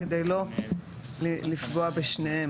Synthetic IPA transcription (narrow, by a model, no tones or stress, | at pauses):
ed̪ejlo | lilifɡo̞abeʃnehe